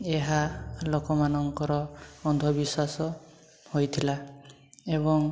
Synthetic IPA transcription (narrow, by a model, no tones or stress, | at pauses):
eɦalokɔmanɔŋkɔɾɔːnd̪ʱɔbiswasɔ | hojt̪ʰila | ebɔŋ